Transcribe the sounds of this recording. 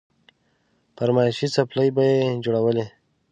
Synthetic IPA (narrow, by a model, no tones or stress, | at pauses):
paɾmɑɪʃit͡sapləjbajed͡ʒoɽawəle